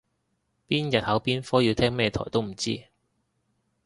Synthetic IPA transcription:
piː˥njɐ˨t̚hɐ˨˥wpiː˥nfɔː˥ji˨˧wt̪ʰɛː˥ŋmɛː˥jɛ˧t̪ʰɔ̰ː˨˩jt̪o˥wm̩˨˩t͡sḭː˥

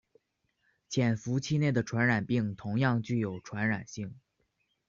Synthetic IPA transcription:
t͡ɕʰjɛ˨˩nfu˧˥t͡ɕʰi˥˧ne˥˩ɪd̪ə˩ʈ͡ʂʰwa˧˥nɻa˨˩npi˥˩ŋt̪ʰʊ˧˥ŋjɑ˥˧ŋt͡ɕy˥˩jo˨˩ʊʈ͡ʂʰwa˧˥nɻa˨˩nɕi˥˩ŋ

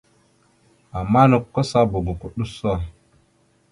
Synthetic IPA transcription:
a˨mːa˦nə˨kːo˦sa˦bu˨ɡu˨ku˨ɗu˦sa˨

